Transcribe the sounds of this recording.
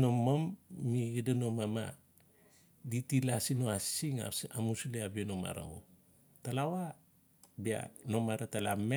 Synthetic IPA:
nomomːiidano̞mama̰ | ditilasinoasiŋ̰amusleabinoma̰ɾa̰o̰ | talawa | bia̰no̞maɾatalame

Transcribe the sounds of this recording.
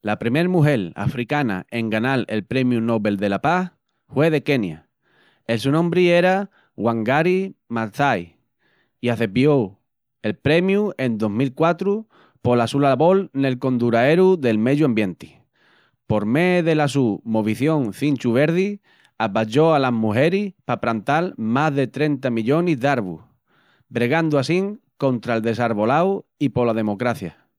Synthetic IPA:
lapɾime̞ɾmuɦe̞la̰fɾikana̰ʔe̞ŋɡanale̞lpɾe̞mjuno̞βe̞ld̪e̞lapah | hwe̞ð̞e̞ke̞nja | els̬unõmbɾie̞ɾa | ɣwaŋɡaɾimaɾθaj | iaθepjo | e̞lpɾe̞mjue̞nd̪o̞ɦmilkwat̪ɾu | po̞lasulalβo̞lne̞lko̞nd̪uɾae̞ɾuðe̞lme̞ðuambje̞nt̪i̥ | po̞ɾmeðe̞lasumoβ̞iθjo̞ŋθint͡ʃuβ̞e̞ɾði | apaʎo̞alazmuɦe̞ɾihpapɾant̪almazðe̞t̪ɾe̞nt̪amiʎo̞nizðaɾβṵh | bɾe̞ɣ̞and̪uasiŋko̞nt̪ɾaeldðe̞saɾβo̞lawipo̞laðe̞mo̞kɾaθja

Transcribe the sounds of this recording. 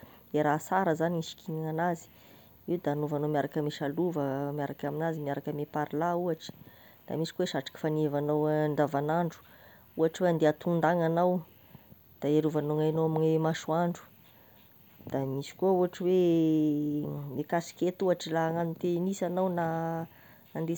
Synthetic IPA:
eɾasaɾəzaniiʃi̥kʰinaŋanazi̥ | iwd̪aːnuvanomiaɾakəmeʃaluvəmiaɾakaminazimiaɾakəmepaɾlauaʈ͡ʂə̥ | d̪̥a̰misi̥kuweʃaʈ͡ʂḁki̥fanevanawɳɖ͡ʐavanaɳɖ͡ʐu̥ | uaʈ͡ʂweand̪eat̪und̪aŋanaw | d̪̥aeɾuvanoŋajnowaminaemaʃuaɳɖ͡ʐu̥ | d̪̥amisi̥kuəuaʈ͡ʂwe | mekasi̥ket̪uaʈ͡ʂilaŋanut̪enisanawna | and̪e

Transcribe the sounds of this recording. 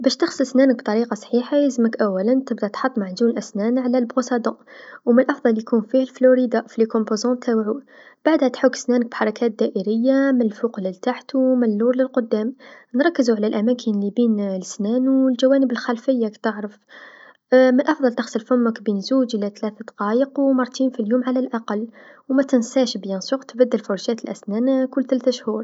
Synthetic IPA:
bæʃt̪əxsəlsnænək̚b̚t̪ˤɑɾiqɑsˤħiħajəzəməkʔæwːælənt̪əbd̪æt̪ħɑt̪ˤːmaʕzunlʔæsnænʕlælbɣosɑd̪ɑ̃ʔwmənlʔɑfd̪ˤɑljkunfihlfluɾid̪afilekõmpozɑ̃t̪ʰːæwʕu | b̥aʕd̪hæt̪ħʊkːsnænək̚bħɑɾˤɑkæt̪̚d̪æʔəɾəjːamɪnəlfuqlilt̪aħt̪umnlːuɾˤləlqʊd̪ːæmnɾˤɑkːəzuʕalælʔæmæːkʰənlibiːnləsnænwəlʒæwæːnəbəlxælfəjːakt̪əʕɾəf | mənʔɑfðˤɑlt̪ɑxsəlfʊmːəkbinzuːd͡ʒʔlæt̪læθd̪ɑ̥qɑːjəqwmɑɾˤt̪iːnfiljuːmʕalælʔaqɑlːwmæt̪ɪnsæʃbjɑnsuqt̪bæd̪ːəlfʊɾˤʃæːt̪əlʔæsnæːnkʊlːt̪ælæθʃhuːɾˤ

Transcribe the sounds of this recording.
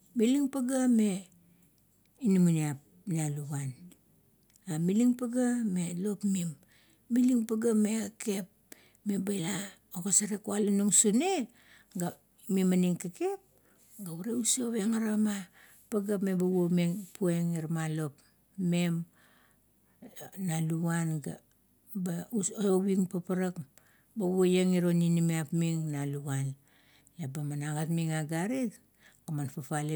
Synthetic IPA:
miliŋpaɡame̞ | inimuniap̚ | nialuɡan | amiliŋpaɡame̞lo̞pmimː | iliŋpaɡame̞kake̞p̚ | me̞bajla | okasaɾekualanuŋsune | ɡa | mimaniŋkeke̞p̚ | ɡauɾeusoβeŋaɾama | paɡapmebaomeŋpueŋiɾmalo̞p | me̞m | naluanɡa | bauoβiŋpapaɾak | bawojaŋiɾoninimeapmiŋnaluɡan | lebamanaɡatmiŋaɡaɾit | kamanpapale

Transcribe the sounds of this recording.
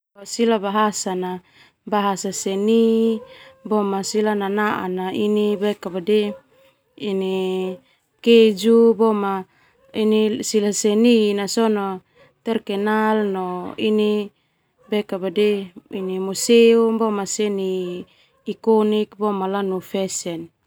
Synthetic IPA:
asilabaɦasana | baɦasaseni | bɔmasilananaʔa̰nainibɛkabade | ini | ked͡ʒubɔma | inisilaseninasɔnɔ | t̪ɛrkɛnalnɔini | bɛkabadeinimuseumbɔmaseniː | kɔnik̚bɔmalanufɛsɛn

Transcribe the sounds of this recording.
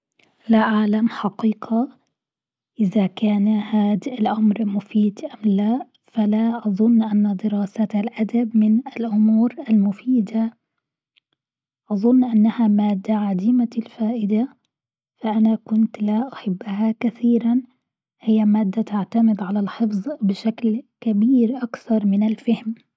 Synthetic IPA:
laʔaʕlamħɑqiːqʰa | ʔɪðakaːnhaːd̪ɪlʔamɾmʊfiːd̪ʔamla | falaʔɑðˤʊnːʔanːad̪ɪɾɑːsat̪alʔad̪abmɪnɪlʔʊmuːɾalmʊfiːd̪a | ʔɑðˤʊnːʔanːahamaːd̪ːaʕad̪iːmalfaːʔɪd̪a | faʔanakʊnt̪laʔʊħabːahakaθiːɾan | hɪjːamaːd̪ːat̪aʕt̪amɪd̪ʕalalħɪfðˤbɪʃaklkabiːɾʔakθɑɾˤmɪnɪlfahm

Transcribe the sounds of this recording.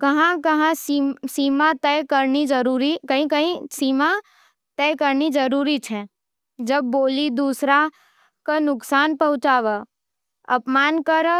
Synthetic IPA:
kɐɦãkɐɦãssiːmat̪ɛjkəɾnid͡ʒəɾuɾikəɦĩəɦĩsiːma | t̪ɛkəɾnid͡ʒəɾuːɾit͡ʃʰɛ | d͡ʒəbːoːlid̪uːsɾa | kanʊksaːnpɐɦʊ̃t͡ʃaːʋə | ɐpmaːnkəɾ

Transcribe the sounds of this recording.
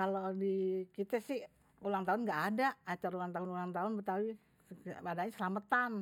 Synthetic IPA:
kalodikit̪ɛsɪh | ulaŋt̪aʊnŋɡaʔːdaːt͡ʃaɾulaŋt̪aɦʊnulaŋt̪aʊnbət̪awi | adaɲasəlamət̪an

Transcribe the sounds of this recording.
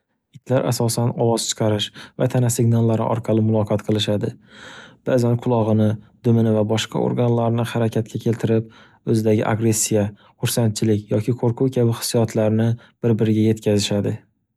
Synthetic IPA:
ɪt̪ʰlaɾʔa̰sɒsanɒwɒzt͡ʃʰɨ̥qʰɑɾɪʃvat̪ʰanasɪɡʲnalˠːaɾɪ̰ʔɒ̰ɾqʰɑlɪmʊlˠɒqʰɑt̪qʰɨlˠɪʃad̪ɪb̥azanqʰʊlˠɒʁɨnɪd̪̥ʊmɪnɪvabɒʃqʰɑ̰o̰ɾɡanlaɾnɪhaɾakʲʰat̪̚kʲakʲʰe̞lt̪ʰɪɾɪp̚ | ɵzɪd̪aɡʲɪ̰ʔa̰ɡɾe̞sːija | χʊɾsant̪̚t͡ʃʰɪlɪkʲjɒkʲʰɪqʰoɾqʰʊwkʲʰabɪχɪ̥sːijɒt̪ʰlaɾnɪ | b̥ɪɾbɪɾɪɡʲaje̞t̪kʲʰazɪʃad̪ɪ

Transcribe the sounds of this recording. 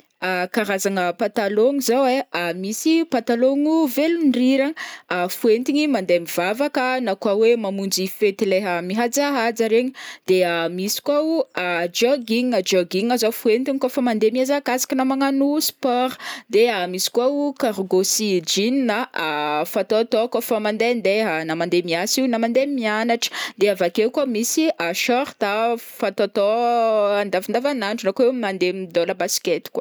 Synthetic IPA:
akaɾazaŋəpat̪aloŋizaweamisipat̪aloŋuvelunriɾaŋafuent̪iɲimand̪eamiv̥avakənakwawemamund͡zifet̪ileɦəmiɦad͡zaɦad͡zaɾeɲid̪̥eamisi̥kwauad͡ʒoɡiŋad͡ʒoɡiŋazawfuent̪iɲikofamand̪emiazakasḁkinamaŋanuspɔɾd̪eamisi̥kwaukaɾɡosid͡ʒinnaafat̪ot̪ɔkafamand̪end̪eɦanamand̪emiasiwnamand̪emianaʈ͡ʂə̥d̪eavakewkwamisiʔaʃɔɾt̪afat̪at̪ɔand̪avand̪avanaɳɖ͡ʐunakenand̪emd̪olabasi̥ket̪i̥kwa

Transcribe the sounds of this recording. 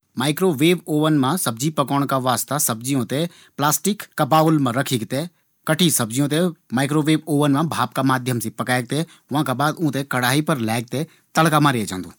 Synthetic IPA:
maːɪkɾoʋeːʋoːʋənmãsɐb̚d͡ʒipɐkəɽ̃kaʋaːst̪asɐbd͡ʒijõt̪e | plaːsʈɪkːɐbaːʊlmãɾəkʰikt̪e | kɐʈʰisɐbd͡ʒijõt̪̬emaːɪkɾoːʋeːboːʋənmãbʱaːp̚kamaːd̪ʱjəmsĩpɐkaːeɡ̚t̪e | ʊʋãkabaːd̪ũːt̪ekɐɽaːɦipɐɾlaːɪɡ̚t̪e | t̪ɐɽkamãɾed͡ʒã̰ːnd̪õː

